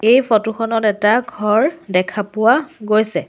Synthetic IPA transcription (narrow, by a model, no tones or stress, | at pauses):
ejfʰɔtuxɔnɔtɛtaɡʱɔɹdɛkʰapʊwaɡojsɛ